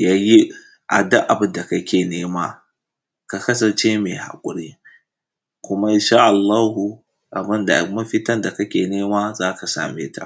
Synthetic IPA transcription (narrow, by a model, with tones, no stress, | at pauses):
ja˦ji˦ | ʔa̰˨da˦ʔa˨bʊ˦nda˨kɐ˦kʲeː˨neː˦maː˦ | ka˨kɐ˦sɐ˨nt͡ʃe˦meː˨ha̰˨kʷʼʊ˨ɾi˦ | kʷʊ˦ma˦ɪ˦nʃaː˦ʔa˨lːaː˦ɦu˨ | ʔa˨bɪ˦nda̰˨mɐ˦ɸɪ˦tɐ˦nda˨kɐ˦kʲeː˨neː˦maː˦zaː˦ka˨sa̰ː˨mḛː˦ta̰˨